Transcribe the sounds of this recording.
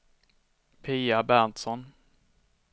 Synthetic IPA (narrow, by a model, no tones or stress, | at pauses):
pʰiːabænt̪sɔn